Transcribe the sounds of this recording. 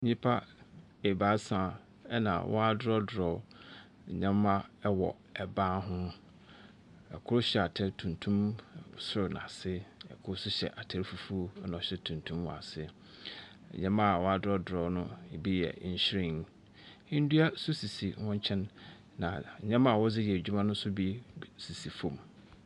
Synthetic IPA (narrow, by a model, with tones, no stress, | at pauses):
ɲĩ˦pʰa˦ | e˨ba˨˦sã˨ | ɛ˦nã̰˨wʔɔ̰˦a˦dʊ˦ɾɔ˦dɾɔ˨ | ɲã˦mː˦ã˦wɔ̰˨ | ɛ˨bãː˦ɦʊ̃˦ | ɛ̰˨kʰʊ˦ɾʊ˦ɕɛ˨a˨tʰɛ˦tʰũ˨ntʰũ˦msʊ˦ɾnã̰˨sɪ˦ɛ̰˨kʰʊ˦sʊ˦ɕɛ̰˨ʔa˨tʰa˨ɾi˦fu˨˦fu˦o˦nɔ̃˨ɕɛ˦tʰũ˨ntʰũ˦mw̰a̰˨sɪ̰˦˨ | ɲã˦mã˦a˨wɔ˦a˨dʊ˦ɾɔ˦dʊ˨ɾɔ˨˦nʊ̃˦˨bi˦jɛ̰˨˦ɕɾĩ˦˨n | ɪ̃˦n̩˦du˦a˦sʊ˦si˨si˨wɔ̃˦ɲ˦t͡ɕʰɛ̃˦nː | ã˨ɲã˦mã˦˨wɔ˦d͡zɪ˦jɛ˨e˨d͡ʑᶣu˦mã˦nʊ̃˦sʊ˦bi˦si˨si˨fõ˨m